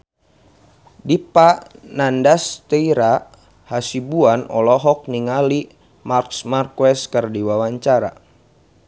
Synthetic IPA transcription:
dipaʔnandast̪əiɾa | hasibuanɔlɔɦɔk̚niŋali | marksmarkwɛskərdiwawaɲt͡ʃaɾa̰

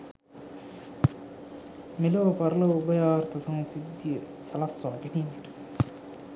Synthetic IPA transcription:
miloːpɐɾlɐubɐjaːɾt̪ʰɐsɐŋsid̪jə | sɐlɐsːaːɡeninʈ

